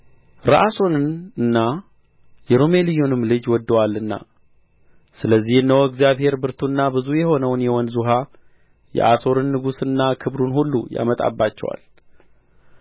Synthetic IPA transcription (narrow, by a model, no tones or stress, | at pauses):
ɾaʔaso̞nɨnɨnːa | jɛɾome̞lɨjonɨmlɨd͡ʒwɔd̪ːəwalːɨnːa̰ | sɨləzːihɨnːəwɨɡzijaβhe̞ɾbɨɾt̪ʰunːabɨzujɛho̞nəwnjɛwɔnzuɦa | jɛ̰ʔaso̞ɾɨnːɨɡusɨnːakʰɨbɾunhulːuja̰mət̪ʼa̰bːat͡ʃːɛ̰wa̰l